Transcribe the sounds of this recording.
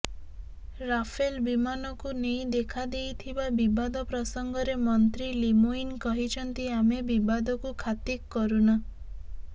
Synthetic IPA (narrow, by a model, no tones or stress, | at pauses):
ɾapʰelbimanɔkunej̃d̪ekʰad̪ejt̪ʰibabibad̪ɔpɾɔsɔŋɡɔɾemɔnt̪ɾilimuinkɔɦit͡ʃʰɔnt̪iamebibad̪ɔkukʰat̪ikːɔɾuna